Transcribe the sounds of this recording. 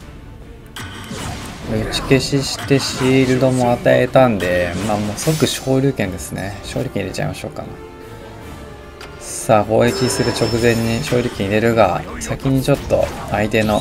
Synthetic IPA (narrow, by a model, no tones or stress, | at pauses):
ɯ̟t͡ɕi̥ke̞ɕiɕi̥t̪e̞ɕiːɾɯ̟d̪o̞mo̞at̪ae̞̰t̪ãnd̪e̞maːmoːsok̬ɯ̟ɕo̞ːɾʲɨ̟ːkẽ̞nd̪e̞sɨne̞̰ɕo̞ːɾʲɨ̟kẽiɾet͡ɕa̰ḭmaɕo̞̰ːka̰n | saːho̞ːekʲisɨɾɯ̟t͡ɕo̞kɯ̟zẽ̞ɲ̟ːiɕoːɾʲɯ̟ːkẽ̞iɾe̞ɾɯ̟ɡa̰sakʲiɲ̟it͡ɕo̞t̪ːo̞̰ait̪e̞no̞